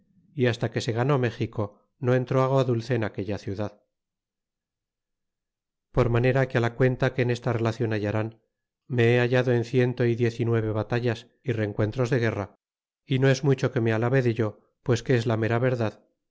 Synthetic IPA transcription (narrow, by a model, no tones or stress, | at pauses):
iast̪ake̞se̞ɣ̞ano̞me̞xiko̞ | no̞e̞nt̪ɾoaɣoaðulθeːnake̞ʎaθjuðað | po̞ɾmane̞ɾakealakwe̞nt̪ake̞ːne̞st̪are̞laθjo̞naʝaɾan | me̞eaʝaðo̞e̞nθje̞nt̪o̞iðje̞θinwe̞β̞e̞βat̪aʝas | ire̞ŋkwe̞nt̪ɾo̞zðe̞ɣ̞e̞ra | ino̞e̞zmut͡ʃo̞ke̞mealaβe̞ðe̞ʝo̞ | pwe̞skeezlame̞ɾaβe̞ɾðað